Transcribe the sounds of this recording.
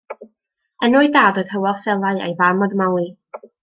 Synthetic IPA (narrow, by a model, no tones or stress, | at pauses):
ənɔɨdaːdɔð̥həwɔθɛlˠaɨḛjvamɔðmawi